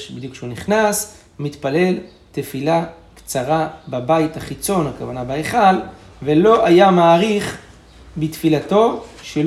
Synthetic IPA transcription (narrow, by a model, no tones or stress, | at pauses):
bid̪jukʃeuniχnas | mit̪pale̞l | tefila | kt͡saʁababait̪haχit͡so̞nhakavanabaeχal | velo̞ʔajamaːʁiχ | bit̪filat̪o̞ʃel